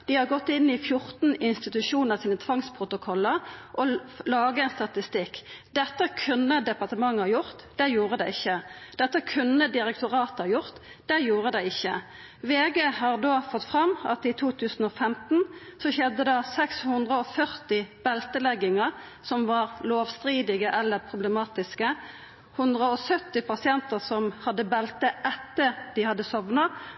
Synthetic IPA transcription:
d̪̥ɪhɑɡɔt̪ːɪnːɪfjʊʁt̪n̩ɪnst̪ɪt̪ʉʃuːnəʁsiːnət̪ʰʋɑŋspʰʁʊt̪ʊkʰɔlːəʁʔɔlɑːɡəɛɪnst̪ɑt̪ɪst̪ɪkd̪ɛt̪ːəkʰʉnəd̪ɛpɑʁt̪əmɑŋːhɑjʊʁt̪d̪̥ɛjuːʁəd̪ɛɪɪçːəd̪̥ɛt̪ːəkʰʉnːəd̪ɪʁɛk̚t̪ʊʁɑːt̪əɑjʊʁt̪ | d̪̥ɛjuːʁəd̪ɛɪɪçːə | ʋeːɡeːhɑʁd̪oːfɔt̪ːfʁɑmːɑ̰t̪iːt̪ʰuːt̪ʰʉːsn̩ɔfɛmt̪n̩sɔçɛd̪ːəd̪ɑsɛkshʉnd̪ʁəɔfœʁt̪ɪb̥ɛlt̪əlɛɡɪŋəʁ | sɔmʋɑʁloːʋst̪ʁiːd̪ɪɡəʔɛlːəʁpʰʁʊbləmɑːt̪ɪskə | hʉnd̪ʁəɔsœt̪ːɪpɑsɪɛnt̪əʁsɔmhɑd̪ːəbɛlt̪əʔɛt̪ːəʁd̪ɪhɑd̪ːəsɔʋnɑ

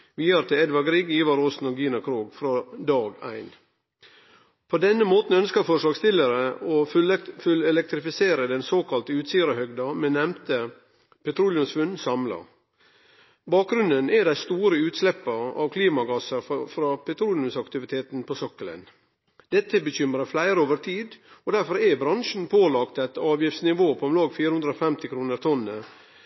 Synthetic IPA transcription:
ʋiːɑɾt̪ʰɪɛd̪ʋɑɡɾiːɡiːʋɑɾoːsn̩ɔɡiːnɑkʰɾuːɡfɾɑːd̪ɑːɡæ̰ɪn | pʰod̪ɛnːəmoːt̪n̩œnskəfɔʂɭɑːɡst̪ɪləɾəofʉlɛlɛk̚t̪ɾɪfɪseːɾəd̪ɛnsoːkʰɑlt̪əʉːt̪siːəɾəhœɡd̪ɑmɛnɛmt̪ʰə | pʰɛt̪ʰɾuːljʉmsʋʉnsɑmlɑ̰ | bɑːk̚ɡɾʉnənɛd̪æɪst̪uːɾəʉːt̪slɛpːɑɑ̰ʋkʰliːmɑɡɑsəɾfɾɑpʰɛt̪ʰɾuːljʉmsɑkt̪ɪʋɪt̪ʰeːt̪n̩pʰɔsɔkːələ̰n | d̪̥ɛt̪ːəbəçʏmɾɑflæɪɾəoːʋəɾt̪ʰiːd̪ɔd̪æɾfɔɾɛbɾɑnʂn̩pʰoːlɑkt̪ɛt̪ɑːʋjɪftsnɪʋoːpʰɔɛmlɑːɡfiːɾəhʉnd̪ɾɔfɛmt̪ɪkʰɾuːnəɾt̪ʰɔnːə

